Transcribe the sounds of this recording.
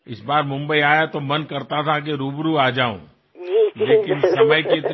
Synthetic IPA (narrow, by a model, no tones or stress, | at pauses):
ɪsbaːɾmʊ̃mbəiaːjat̪omɐnkɐɾt̪at̪ʰak̬eɾuːbɾuaːd͡ʒaːṵ̃ | lleːkɪnsɐməjket̪